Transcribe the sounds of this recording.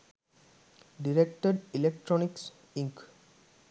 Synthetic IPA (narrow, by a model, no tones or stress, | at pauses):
ɖiɾekʈəɖilek̚ʈɾoniks | ĩŋk